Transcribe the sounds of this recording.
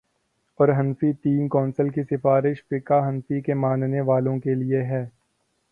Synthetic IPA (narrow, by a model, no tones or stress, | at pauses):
ɔːɾɦɐnfit̪iːmkɔːnsəlkisɪfaːɾɪʃfɪkaɦɐ̃nfikemãːnneʋaːlõkelieɦɛː